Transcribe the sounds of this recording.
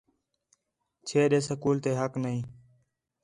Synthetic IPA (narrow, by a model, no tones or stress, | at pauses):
t͡ʃʰeːɗeːsəkuːlt̪eːɦəknəɦĩː